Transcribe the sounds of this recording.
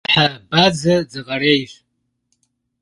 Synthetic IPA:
ħabad͡zɨd͡zɨqʼaɾejʒʷ

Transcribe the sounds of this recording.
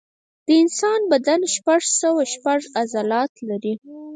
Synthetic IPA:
d̪̥əɪnsɑnbad̪anʃpaʐsəwaʃpaʐazalɑt̪laɾi

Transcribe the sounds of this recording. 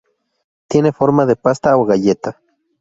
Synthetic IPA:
t̪jenefoɾmaðepast̪aoɣajet̪a

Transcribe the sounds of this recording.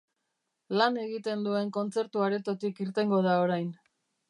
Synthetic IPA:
lane̞ɣit̪e̞nd̪ue̞ŋko̞nt͡se̞ɾt̪uaɾe̞t̪o̞t̪ikiɾt̪e̞ŋɡo̞ð̞ao̞ɾajn

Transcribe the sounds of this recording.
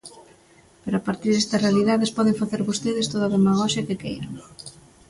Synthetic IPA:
peɾoapaɾt̪iɾðɛst̪ɐsrealiðaðespɔðeɱfaθeɾβust̪iðest̪oðaðemaɣɔʃɐkɪkḛjɾa̰ŋ

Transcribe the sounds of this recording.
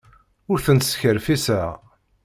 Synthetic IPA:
ʊɾθənt̪sçəɾfisə

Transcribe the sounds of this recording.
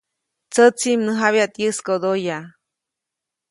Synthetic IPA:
t͡sət͡simnəɦaβjaʔt̪jɨskod̪oja

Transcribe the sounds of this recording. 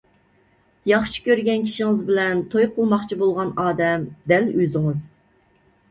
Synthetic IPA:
jɑχʃi̥kʲøɾɡʲɛnkʲʰi̥ʃiŋɪzbɪlɛnt̪ʰojqʰəlˠmɑχt͡ʃʰibolˠʁɑnɑːd̪ɛmd̪ɛlyzɪŋɨz

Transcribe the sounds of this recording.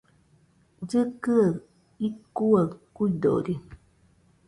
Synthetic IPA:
d͡ʒɨkɨa | ikːuakujd̪o̰ɾi

